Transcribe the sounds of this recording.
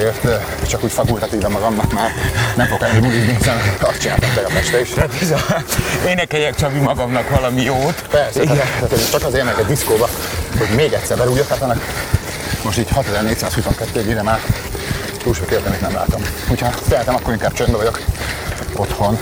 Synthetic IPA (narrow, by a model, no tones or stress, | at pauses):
eːrt̪ | t͡ʃɒkuːcʲfɒkult̪ɒt̪iːvɒmɒɡɒmnɒkmaːrnɛɱfoɡkɛɛbulizniɦisɛnɒst̪t͡ʃina̰lt̪ɔt̪ːɛɡɒfɛʃt̪ɛiʃt̪ɛzɒeːnɛkɛjɛkt͡ʃɒbimɒɡɒmnɒkʋɒlɒmijoːt̪pɛrsɛiɡɛnaːt̪ot͡ʃɒkɒzemɛkɛd̪d̪iskoːbɒho̞ɟmeːɡɛt̪ʲsɛɾbɛɾujokhat̪ɒnːɒk | mo̞ʃt̪iːchɒt̪ɛzɛrneːc̚saːshusoŋkɛt̪ːøːɡinɛmaːr | t̪uːʃɛkølt̪ɛmet̪nɛmla̰ːt̪o̞mhochɒt̪ɛɦɛt̪ɛmɒkːo̞ɾiŋkaːb̥̚t͡ʃømbɛvɒɟo̞k | o̞t̪ho̞n